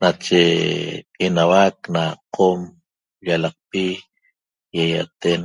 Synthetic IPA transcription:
nat͡ʃekʼinawaknaqʰom | ʎalɑq̚pi | jaja̰t̪en

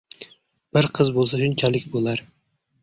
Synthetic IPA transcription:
b̥ɪɾqʰɨzbolˠs̬aʃʊnt͡ʃʰalɪkʲbolˠaɾ

